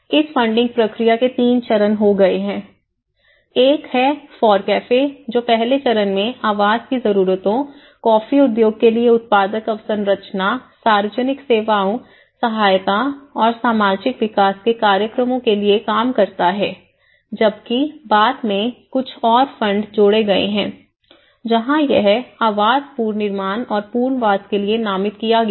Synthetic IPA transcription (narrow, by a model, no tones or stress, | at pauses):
ɪsfɐ̃ɳɖɪ̃ŋɡ̚pɾɐkɾijaket̪iːnt͡ʃɐɾənɦoɡɐeɦɛ̃ː | eːkɦɛfɔːɾkɛːfed͡ʒoːpɛɦlet͡ʃɐɾənmẽaːʋaːd͡ʒkizɐɾuːɾət̪õ | kɔːfiʊd̪joːɡ̚kelieʊt̪̚paːd̪əkɐʋsəɾɾɐt͡ʃnasaːɾʋəd͡ʒənɪkseːʋaːõ | sɐɦaːjt̪aɔːɾsaːmaːd͡ʒɪkʋɪkaːskekaːɾjəkɾəmõkeliekaːmkɐɾt̪aɦɛː | d͡ʒɐbkibaːd̪mẽkʊt͡ʃʰɔːɾfɐ̃ɳɖd͡ʒoːɽeɡɐḛɦɛ̃ː | d͡ʒɐɦãjɛɦaːʋaːzpuːɾnɪɾmaːnɔːɾpuːɾnʋaːzkelienaːmɪt̪kijaɡ